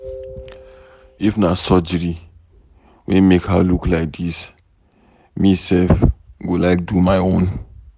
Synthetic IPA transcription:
ifnasɔd͡ʒəɹi | wɛ̃nmekhaluklaɪk̚dis | misɛlfɡolaɪk̚dumaɪõn

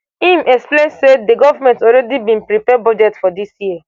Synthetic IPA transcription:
ĩmʔɛksplẽnsedeɡɔvamɛ̃ntɔɾɛdibĩnpɾipɛbɔd͡ʒɛtfɔdisjiə

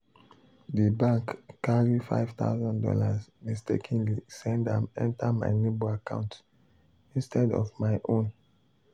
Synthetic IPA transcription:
dibãŋkːaɹifa̰ɪv̥t̪a̰ʊzɔ̃ndɔ̰lasmistḛkʰĩnlisɛ̃ndãmɛ̰̃ntama̰ɪneboakã̰ʊ̃nt | ĩnstʰɛdɔ̰vmaɪʔõn

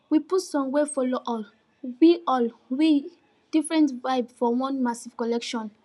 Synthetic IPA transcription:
wiputsɔ̃mwefoloʔɔl | wiʔɔlwi | d̥ifɹɛ̃ntvaɪbfɔwɔ̃nmasiv̥kɔlɛkʃɔ̃n

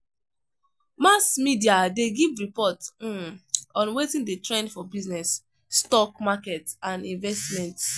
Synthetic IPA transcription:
masmidiadeɡivɹipɔt | ɔ̃nwetĩndətɹɛ̃ndfɔbiznɛsː | tɔkmakɛtãnĩnvɛstmɛ̃nts

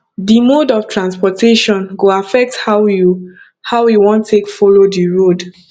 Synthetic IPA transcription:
dimodɔftʰɹãnspɔtʰeʃɔ̃nɡoafɛk̚thaju | hawjuwɔ̃ntʰːekfolodiɹod

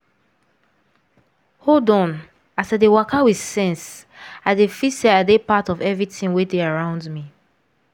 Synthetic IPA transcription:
holdɔ̃n | asadewakawi̥sɛ̃ns | aɪdefiseadepatɔvɛvɹitĩnwedeaɹãʊ̃ndmi

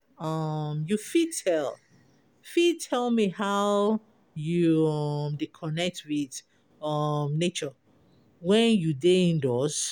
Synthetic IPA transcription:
ʌmjufitʰɛlˠ | fid̚tʰɛlˠmihaʊ | juʌmdekʰɔnɛk̚twið̥ | ʌmnet͡ʃɔ | wɛ̃njudeĩndɔs

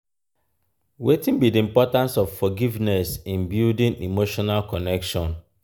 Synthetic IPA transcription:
wetĩnbidiimpɔtãnsɔv̥fɔɡivnɛsĩnbjuldĩnimoʃɔnalkɔnɛkʃɔ̃n

